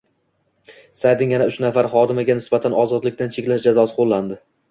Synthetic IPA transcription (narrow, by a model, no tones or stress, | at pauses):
sajd̪ɪŋjanaʊt͡ʃnafaɾχɒd̪ɪmaɡʲanɪsbat̪ʰanɒzɒd̪lɪk̚ʲt̪ant͡ʃʰekʲlaʃd͡ʒazɒsɪqʰolːand̪ɪ